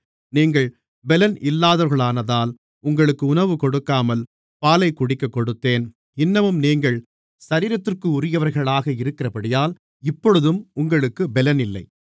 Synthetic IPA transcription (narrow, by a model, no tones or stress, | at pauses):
niːŋɡɐɭ | bɛlɐnɪlːaːðɐɾɣɐɭaːnɐðaːl | ʊŋɡɐɭɯkːɯʊnɐʋɯkɔɽɯkːaːmɐl | paːlɐɪkːʊɽɪkːɐkːɔɽɯt̪ːeːn | ɪnːɐmɯmniːŋɡɐɭ | sɐɾiːɾɐt̪ːɪrkɯʊrɪjɐʋɐɾɣɐɭaːɣɐɪɾɯkːɪrɐpɐɽɪjaːl | ɪpːɔɻɯðɯmʊŋɡɐɭɯkːɯbɛlɐnɪlːɐ̰ɪ